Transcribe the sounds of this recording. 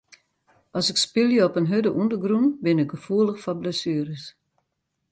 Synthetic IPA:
ɔsɪkspɪljəɔpənɦødəʔundəɡrunbɪnɪk̚ɡəfuəlˠəxfɔbləsyəɾəs

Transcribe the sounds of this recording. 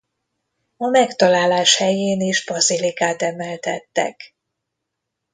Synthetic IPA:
ɒmɛkt̪ɒlaːlaːʃhɛjeːniʒbɒzilikaːt̪ɛmɛlt̪ɛt̪ːɛ̰k

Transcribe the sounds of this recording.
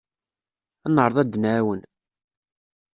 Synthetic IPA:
ænːəɾˤðˤæd̪ːnæwən

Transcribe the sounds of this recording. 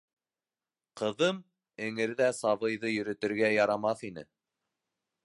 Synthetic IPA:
qɤ̆ðɤm | ɘ̆ŋɘ̆ɾðæsɑβɤ̆jðɤjɵ̆ɾɵ̆t̪ɘ̆ɾɡæjɑɾɑmɑθinɘ̰

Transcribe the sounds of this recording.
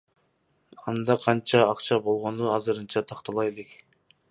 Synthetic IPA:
ɑnd̪ɑqʰɑnt͡ʃɑːqt͡ʃɑbo̞lˠʁo̞nuɑzɯɾɯnt͡ʃɑt̪ʰɑqt̪ɑlˠɑje̞lek

